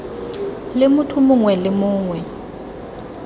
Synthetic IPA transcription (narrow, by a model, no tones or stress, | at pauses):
lɪmʊtʰʊmʊŋwɛlɪmʊːŋwɛ